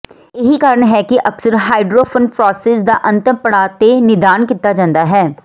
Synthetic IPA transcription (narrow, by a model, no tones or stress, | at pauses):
ɪɦikaːɾəɳɦɛːkɪʔɐksəɾɦaːɪɖɾoːpʰənpʰɾɔːseːsd̪aːʔə̃nt̪əpəɽaːt̪enɪd̪aːnkɪt̪ːaːd͡ʒãːnd̪aːɦɛː